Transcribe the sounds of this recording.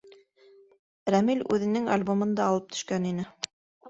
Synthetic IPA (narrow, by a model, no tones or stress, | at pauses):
ɾæmilʲʉ̰ðɘ̆nɘŋalʲbomɤ̆nd̪ɑːlˠɤp̚t̪ʰɵ̥̆ʃkæninɘ